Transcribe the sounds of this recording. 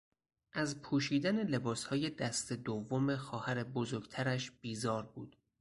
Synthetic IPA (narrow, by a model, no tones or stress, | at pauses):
ʔæzpʰuːʃiːd̪æne̞le̞bɒːshɒːje̞d̪æst̪e̞d̪ovːome̞xɒːhæɾe̞bozoɾɡt̪ʰæɾæʃb̥iːzɒːɾbuːd̪̥